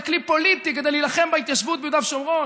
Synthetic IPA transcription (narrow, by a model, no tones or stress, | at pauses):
klipolit̪ik̬ed̪ejlilaχembeit̪jaʃvut̪̚bejud̪avʃeomʁo